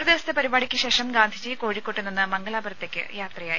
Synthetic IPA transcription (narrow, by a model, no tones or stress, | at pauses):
ɾɐd̪iʋɐsɐt̪ːepɐɾibaːɽikʲːɨɕeːʂɐmɡaːnd̪ʱid͡ʑiːkoːɻikːoʈːunːinːɨmɐŋɡɐlaːbɐɾɐt̪ːe̞kʲːɨ̰jaːt̪rɐjaːi